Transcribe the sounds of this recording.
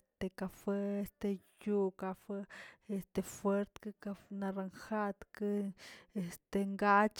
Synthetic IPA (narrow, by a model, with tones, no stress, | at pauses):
t̪eka˨fe˦est̪e˧ju˦kafe˦e˧st̪efwe˦ɾt̪kɨ˧kafna˧ɾaŋxa˦t̪kɨ˦e˧st̪e˧ŋɡa˦t͡ʃ